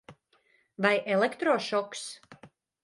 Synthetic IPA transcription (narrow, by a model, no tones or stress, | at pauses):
vajʔelˠekt̪ɾɔːʃɔks